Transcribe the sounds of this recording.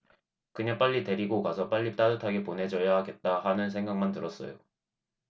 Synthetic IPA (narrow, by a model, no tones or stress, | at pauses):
kɯɲap͈aʎːite̞ɾiɡokasʰʌp͈aʎːit͈adɯtʰaɡeponɦe̞d͡ʑʌjaɦaɡe̞t̚t͈ahanɯns̬ʰeŋɡaŋmantɯɾʌs͈ʌ̰jo̰